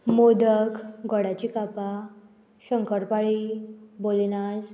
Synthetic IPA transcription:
mod̪əkɡɔɽat͡ɕikapa | ɕəŋkəɽpaɭibolinad͡z

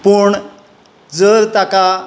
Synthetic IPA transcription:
puɳ | d͡zəɾt̪aka

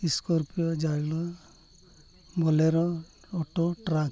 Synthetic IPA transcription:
iskɔɾpijɔd͡ʒalɔ | bɔleɾɔ | ɔʈɔʈɾa

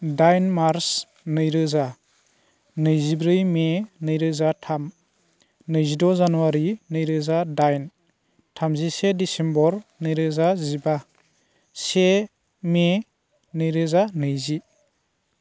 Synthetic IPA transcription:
dajnmaɾs | nɯjɾɯza | nɯjzibɾɯjmenɯjɾɯzatʰam | nɯjzidɔzanuwaɾinɯjɾɯzadajn | tʰamzisedisembɔɾnɯjɾɯzaziba | se | me | nɯjɾɯzanɯjzi

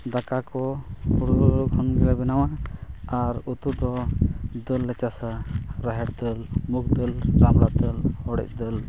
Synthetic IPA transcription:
d̪akakɔuɽuɡʰʱɔnɡɛɾabɛnawaaɾut̪ud̪ɔd̪əlːɛt͡ʃasaɾaɦɛʈd̪əlmuk̚d̪əlɾamɽat̪əlhɔɽɛ̰c̚d̪əl

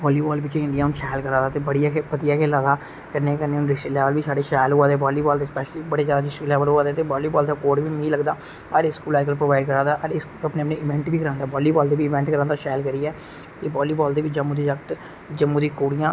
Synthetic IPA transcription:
bɔːliːbɔːlbɪt͡ʃeɪ̃ɳɖɪjaːũʃɛːlkəɾãːd̪aːt̪eːbəɽijakepəd̪ɪjaːkʰeːlaːd̪aː | kəɾneːkəneːʊ̃nɾɪkʃilɛːʋəlʋiːsaːɖeːʃaːloːaːd̪eːbɔːliːbɔːld̪eːspɛːʃliːbəɽeːd͡ʒjaːd̪aːɾɪsʃiklɛːʋəlɦoːaːd̪eːt̪eːbɔːliːbɔːld̪aːkoːʈʋiːmĩːləɡd̪aː | əɾɪkskuːlɛːkəlpɾoːʋaːɪɖkəɾãːd̪aːʔəɾɪkskuːəpneːəpnẽːʔɪʋɛ̃ːɳʈbiːkəɾãːnd̪aːbɔːliːbɔːld̪eːʋiːɪʋɛ̃ːɳʈkəɾãːnd̪aːʃaːjlkəɾiːɛː | t̪eːbɔːliːbɔːld̪eːʋɪd͡ʒəmũːd̪iːd͡ʒəkt̪ | d͡ʒəmːũːd̪iːkoːɽijãː

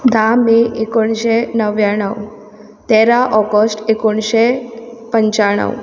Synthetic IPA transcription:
d̪amiʔekoɳɕenəʋjaɳəw | t̪eɾaʔɔɡəsʈekoɳɕepəɲt͡ɕaɽ̃ə̰w

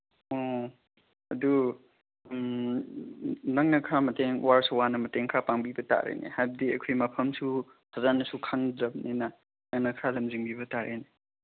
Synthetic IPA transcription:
ɔ | ɐdu | m | nɐŋnɐkʰɾamɐteŋwaɾswanɐmɐteŋkʰɾapaŋbibɐta̰ɾḛnḛhab̚diɐkʰojmɐpʰɐmsu | hʰazanɐsukʰaŋdɾɐb̚nenɐ | nɐŋnɐkʰɾalɐmziŋbibɐtaɾʔene

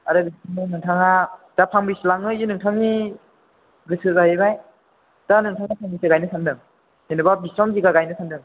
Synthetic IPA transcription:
aɾɯbisɔmɯnɯŋtʰaŋad̥apʰaŋbislaŋɯjɯnɯŋtʰaŋi | ɡɯsɯbajɯbaj | d̥anɯŋtʰaŋnapʰaŋbisɯɡajnɯsʰandɯŋ | senɯbabisɾɔmziɡaɡajnɯsʰandɯŋ

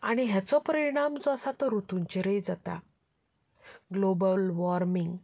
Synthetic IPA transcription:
aɽ̃iɦjat͡sɔpəɾiɽ̃amd͡zasat̪ɔɾut̪uɲt͡ɕeɾəjd͡zat̪a̰ | ɡlobəlʋɔɾmiŋɡ

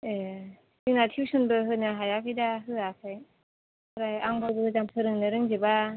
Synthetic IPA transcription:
e | dɯŋnatʰiwsɯnbɯɦɯnɯɦajakʰijdaɦɯakʰajʰ | ɾajaŋbɯwbɯzamtʰɯɾɯŋnɯɾɯŋzeba

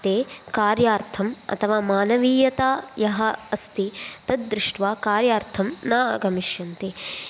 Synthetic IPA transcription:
t̪eːkaːɾjaːɾt̪ʰɐmɐ̰t̪ʰɐʋaːmaːnɐʋiːjɐt̪aːjɐɦɐɐst̪it̪ɐd̪̚d̪ɾɪʂʈʋaːkaːɾjaːɾt̪ʰɐmna̰ːɡɐmiʃjɐnt̪i

